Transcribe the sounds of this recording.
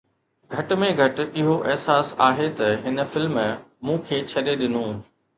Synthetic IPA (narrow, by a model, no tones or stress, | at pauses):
ɡʱɐʈ̆mẽɡʱɐʈɪɦoʔɪɦsaːsaːɦet̪ɐɦɪnə̆fɪlmmũːkʰeːt͡ɕʰɐɗeɗɪnũː